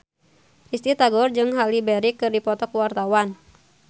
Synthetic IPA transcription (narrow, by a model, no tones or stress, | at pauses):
ʔist̪it̪aɡɔrd͡ʒɨŋɦalibɛɾikːɨrdipɔt̪ɔkuwart̪awan